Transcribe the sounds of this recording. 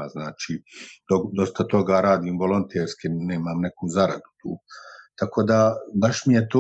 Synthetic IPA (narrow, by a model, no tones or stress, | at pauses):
aznaːt͡ʃiːd̪od̪o̞st̪at̪o̞ɡaɾaːd̪iːmʋo̞lˠo̞nt̪eːɾskineːmamne̞kuːzaɾa̰d̪ut̪uːt̪ako̞ːd̪abaʃmije̞t̪o